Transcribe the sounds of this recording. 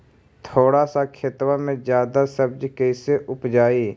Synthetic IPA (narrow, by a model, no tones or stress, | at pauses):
t̪ʰoːɽasakʰet̪wamẽd͡ʒjaːd̪asəbd͡ʒkɛːseʔʊpd͡ʒaːiː